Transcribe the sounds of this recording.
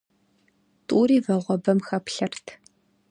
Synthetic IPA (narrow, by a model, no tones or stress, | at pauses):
tʼuːɾiːvɐʁʷɔbɐmxɐpɬɐrtʰ